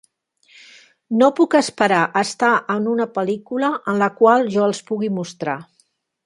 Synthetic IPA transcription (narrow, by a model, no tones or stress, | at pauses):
nopukəspəɾaʔəst̪aʔənunəpəlikuləʔənləkwalˠʒɔəlˠspuɣimust̪ɾa